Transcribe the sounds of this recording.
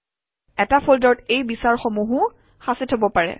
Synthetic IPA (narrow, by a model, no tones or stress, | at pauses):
ɛtapʰoldɔtejbisaɹxɔmuɦʊ | xasitʰabɔpaɹɛ̰